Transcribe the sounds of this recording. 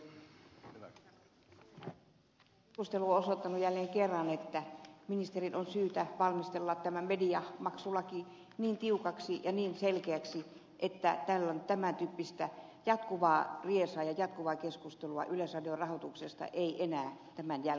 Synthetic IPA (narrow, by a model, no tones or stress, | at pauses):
kust̪eluoosot̪ːɑnujælːeːŋkerːɑnet̪ːæminist̪erinʔonsyːt̪æʋɑlmist̪elːɑt̪t̪æmæmediɑmɑksulːˑɑki | niːnt̪iukɑksijɑniːnselkeæksi | ʔet̪ːæ̰t̪ælːont̪æmænt̪yːpːist̪æjɑt̪kuʋɑːriesɑːjɑjɑt̪̚kuʋɑːkeskust̪eluɑ̰ʔyløsrɑdiorɑhot̪uksest̪ɑ̰ʔeiʔenæːt̪æmænjæl